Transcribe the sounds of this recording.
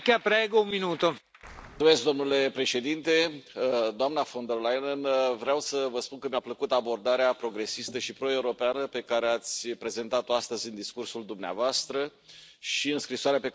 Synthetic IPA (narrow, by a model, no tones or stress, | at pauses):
kapɾeɡounminuːt̪o | ume̞sk̚d̪o̞mnule̞pɾe̞ʃe̞d̪int̪e̞ | d̪oamnafo̞nd̪erlajnənvɾeawsəvəspunkəmʲapləkut̪abo̞rd̪aɾeapɾo̞ɡɾe̞sist̪əʃipɾo̞e̞uɾo̞peanəpe̞kaɾe̞at̪sʲpɾe̞ze̞nt̪at̪oast̪əzʲɨnd̪iskursuld̪umnea̰voast̪ɾəʃiɨnskɾisoaɾeape